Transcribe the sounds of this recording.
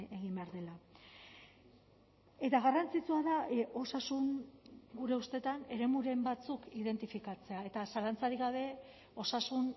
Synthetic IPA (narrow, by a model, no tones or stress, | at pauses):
e̞ɣimbe̞aɾðe̞la | e̞t̪aɣ̞arant͡sit͡suaðao̞sasuŋɡuɾe̞ust̪e̞t̪ane̞ɾe̞muɾe̞mbat͡sukiðe̞nt̪ifikat͡se̞ae̞t̪asalant͡saɾiɣaβ̞e̞ | o̞sasun